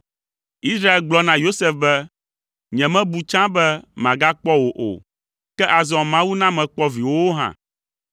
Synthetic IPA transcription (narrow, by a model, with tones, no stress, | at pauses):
i˦sɾa˦e˦˨lɡ͡blɔ˦nã˨jo˦se˦fbɛ˦ | ɲɛ̃˨mɛ̃˦bu˨t͡ʃã˦bɛ˦mã˨ɡa˦k͡pɔ˦wo˨ʔo̰˨ | kɛ˦ʔa˨zɔ̃˨mã˦wu˦nã˦mɛ̃˨k͡pɔ˦vi˨wo˦ɦã̰˨